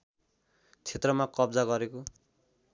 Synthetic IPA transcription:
t͡sʰet̪rʌmakʌbd͡zaɡʌɾeko

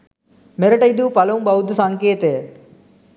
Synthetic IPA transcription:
mɛɾɐʈːɐɪd̪upɐlɐɯmbɐʋɯd̪ɯsaŋkeːt̪eː

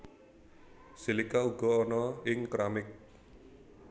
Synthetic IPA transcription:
silikauɡ̥ɔ̤ːnɔɪŋkɾamɪk̚

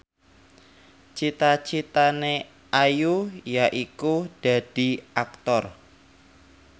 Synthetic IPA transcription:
t͡ʃit̪at͡ʃit̪ane | ʔajujaʔikud̥a̤d̥i̤ʔak̚t̪ɔr

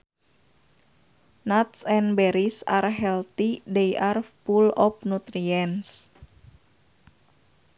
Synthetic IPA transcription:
nat̪sɛnbɛɾisa̰rɦɛlt̪idejʔarpulɔp̚nut̪ɾiɛns

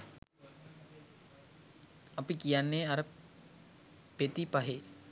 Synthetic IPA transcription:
ɐpikijanːeːɐɾə | pet̪ipaɦe

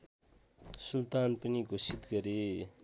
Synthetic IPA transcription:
sult̪anpʌniɡosit̪ɡʌɾe

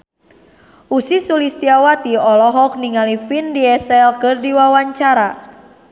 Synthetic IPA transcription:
ʔusisulist̪iawat̪iɔlɔɦɔk̚niŋalifindiɛsɛlkɨrdiwawaɲt͡ʃaɾa

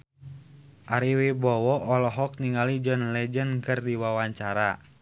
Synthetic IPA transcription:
ʔaɾiwibɔwɔʔɔlɔɦɔk̚niŋalid͡ʒɔnlɛd͡ʒənkɨrdiwawaɲt͡ʃaɾa

